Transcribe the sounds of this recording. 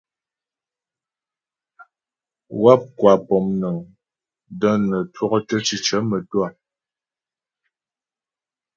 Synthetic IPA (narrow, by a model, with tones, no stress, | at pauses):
wa˦p̚kwa˨pɔ˨mnə˨ŋ | də˦nə˨twɔ˦kə˦tə˦t͡ʃi˨t͡ʃə˨˦mə˨twa˦˨